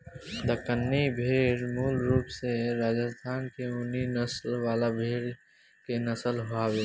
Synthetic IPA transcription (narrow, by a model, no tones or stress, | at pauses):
d̪əkənːibʱeːɽmuːlɾuːpseɾaːd͡ʒəst̪ʰaːnkeʊninəslwaːlabʱeːɽ | kenəsəlɦoaweː